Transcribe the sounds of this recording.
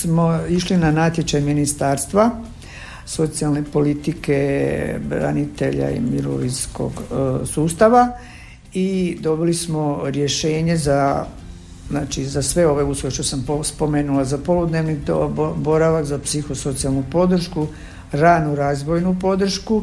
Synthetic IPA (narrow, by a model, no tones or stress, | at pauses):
smoiʃlinanat̪jet͡ʃajminist̪aːɾst̪ʋa | so̞t̪sijalˠne̞po̞lit̪ike̞bɾa̰nit̪e̞ʎa̰ḭmiɾo̰ʋinsko̞̰ɡsuːst̪aʋa | id̪o̞bilismoɾje̞ʃe̞ːɲe̞za | znaːt͡ʃizasʋe̞o̞ʋe̞usloeʃt̪osamspo̞me̞ːnulazapo̞lud̪neːʋniobo̞ɾaʋakzapsixo̞so̞t̪sialˠnupo̞d̪r̩ʃku | ɾaːnuɾaːzʋo̞jnupo̞d̪r̩ʃku